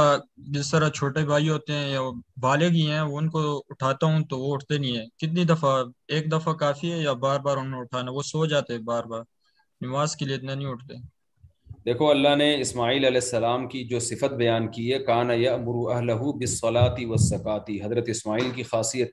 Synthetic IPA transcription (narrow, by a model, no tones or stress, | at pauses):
ad͡ʒɪst̪ɐɾat͡ʃʰoːʈebʱaːjɦoːt̪eɦɛ̃jabaːleɡiɦɛ̃ʋoʊnkoʊʈʰaːt̪aɦũt̪oʋoʊʈʰt̪enɐĩɦɛ̃ːkɪt̪̬nid̪ɐfaeːk̚d̪ɐfakaːfiɦɛjabaːɾbaːɾʊnẽʊʈʰaːnaʋosoːd͡ʒaːt̪eɦɛ̃baːɾbaːɾ | nɪʋaːzkelieɪt̪nenĩʊʈʰt̪e | d̪eːkʰoɐlːaɦneɪsmaːiːlɐlɛːsːɐlaːmkid͡ʒoːsɪfət̪̚bɐjaːnkiɦɛkaːnɐjɐʔmʊɾuɐɦlɐɦʊbɪsˤːɐlaːt̪ɪwɐsːɐkaːt̪iɦɐzɾət̪ɪsmaːiːlkixaːsijət̪̚